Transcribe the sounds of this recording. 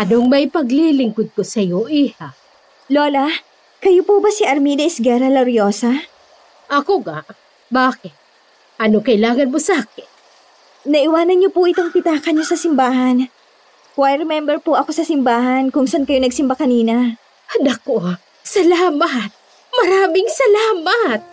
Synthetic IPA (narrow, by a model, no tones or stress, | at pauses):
ʔɐnoŋmɐjpɐɡlilɪŋkod̪̚kosɐjoʔiha | lo̞ːlɐ | kɐjopubɐsiʔɐɾmid̪ɐɪsɡɛɾɐlɐɾjo̞ːsɐ | ʔɐkoɡaʔ | baːkɪt̪̚ | ʔɐnokɐɪlaːŋɐnmosaːkɪn | nɐʔɪwaːnɐnɲopʊʔɪt̪oŋpɪt̪aːkɐɲɲosɐsɪmbaːɦɐn | koajɾɛmɛmbɛɾpʊʔɐko̞sɐsɪmbaːɦɐnkʊŋsankɐjonɐɡ̚sɪmbakɐniːnɐ | nɐko | sɐlaːmɐt̪̚ | mɐɾaːmɪŋsɐlaːmat̪̚